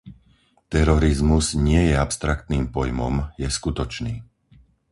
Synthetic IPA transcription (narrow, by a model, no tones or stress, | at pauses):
t̪ɛɾɔɾizmuzɲɪɛjɛapst̪ɾak̚t̪niːmpɔjmɔmjɛskut̪ɔt͡ʃniː